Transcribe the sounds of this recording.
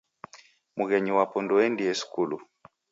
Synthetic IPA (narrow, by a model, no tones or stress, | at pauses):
muɣɛɲiwapɔndɔɛndiɛsu̥kulu